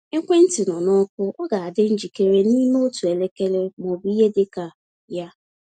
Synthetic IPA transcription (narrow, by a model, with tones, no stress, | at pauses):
e˦kʷe˦n̩˦tɪ˨nɔ˨nɔ˦kʷʊ˦ɔ˦ɡa˨a˨dɪ˦n̩˦d͡ʒi˨ke˦ɾe˦niː˦me˦o˦tu˨e˨le˦ke˦le˦mɔ˨bi˦e˦dɪ˦ka˨ | ja˦